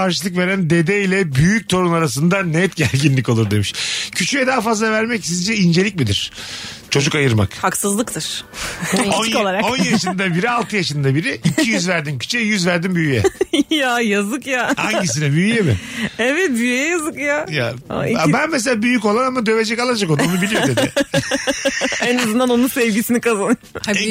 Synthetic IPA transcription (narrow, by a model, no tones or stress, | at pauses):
kaɾʃɯlˠɯkve̞ɾænd̪e̞d̪ɛilʲɛbyjyc̚t̪ʰo̞ɾunaɾas̬ɯnd̪anɛt̪ɟæɾʲɟinlʲico̞lˠuɾd̪e̞miʃcʰyt͡ʃʰyjɛd̪aːfazlˠavæɾmɛcsizd͡ʒɛind͡ʒe̞lʲic̚mid̪iɾ̥t͡ʃʰo̞d͡ʒukajɯɾma̰khaksɯzlˠɯkt̪ʰɯɾ̥ | onoalˠaɾakonjjaʃɯnd̪abiɾialˠt̪ʰɯjaʃɯnd̪abiɾiicʰijyzvæɾd̪imcʰy̥t͡ʃɛjyzvæɾd̪imbyyjɛ̰jajazɯkjaha̰ɲɟis̬inɛbyyjɛmɪ̰evɛt̪yjɛjazɯkjaja̰iabænmes̬elʲaːbyjyco̞lˠaɾamad̪ø̞ve̞d͡ʒɛkalˠad͡ʒakod̪unubilʲijod̪ʰed̪ɪ | enazɯnd̪ano̞nunsɛvɟisinikazanɯj